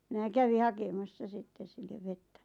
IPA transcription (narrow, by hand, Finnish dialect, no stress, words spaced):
minæ kæʋi hɑkemɑsːɑ sitːe silːeʋ ʋetːæ